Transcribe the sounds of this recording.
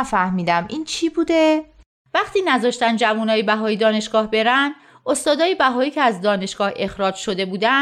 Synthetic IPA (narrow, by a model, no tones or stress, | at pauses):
fæhmiːd̪æmʔiːnt͡ʃʰiːbuːd̪e | væχt̪iːnæzɒːʃt̪ænd̪d͡ʒævuːnɒːjebæɦɒːjid̪ɒːne̞ʃɡ̥ɒːhbe̞ɾænd̪̥ | ost̪ɒːd̪ɒːjebæɦɒːiːcʰeæzd̪ɒːne̞ʃɡ̥ɒːhe̞xɾɒːd͡ʒʃo̞d̪e̞buːd̪æ